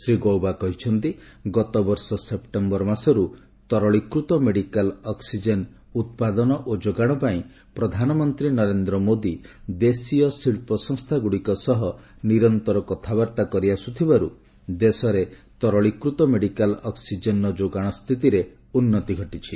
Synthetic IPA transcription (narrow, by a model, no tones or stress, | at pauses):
sɾiɡɔwbakɔɦit͡ʃʰɔnt̪iɡɔt̪ɔbɔɾsɔsep̚ʈembɔɾmasɔɾu | t̪ɔɾɔɭikɾut̪ɔmeɽikalɔksid͡ʒen | ut̪̚pad̪ɔnɔʔod͡ʒoɡaɽ̃ɔpaĩ | pɾɔd̪ʱanɔmɔnt̪ɾinɔɾend̪ɾɔmod̪id̪esiɔsiɭpɔsɔŋst̪ʰaɡuɽikɔsɔɦɔ | niɾɔnt̪ɔɾɔkɔt̪ʰabaɾt̪akɔɾiasut̪ʰibaɾṵ | d̪esɔɾet̪ɔɾɔɭikɾut̪ɔmeɽikalɔksid͡ʒenɔd͡ʒoɡaɽ̃ɔst̪ʰit̪iɾe | unːɔt̪iɡʱɔʈit͡ʃʰi